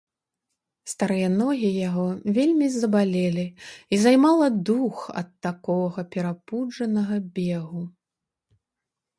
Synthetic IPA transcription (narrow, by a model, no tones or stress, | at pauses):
st̪aɾɨjɐnɔɣʲijaɣɔvʲelʲmʲizɐbalʲelʲiizajmalˠɐd̪uxɐ̰t̪ːakɔɣɐpʲɛɾapud͡ʐɐnɐɣɐbʲeɣu